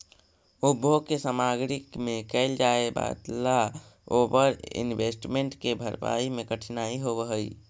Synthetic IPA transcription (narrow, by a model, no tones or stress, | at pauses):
ubʱoɡkesamaɡɾikmekɛɪld͡ʒaeba̰d̪laobəɾḭnbesʈmeɳʈkebʱəɾpa̰imekəʈʰinaiɦobəɦəj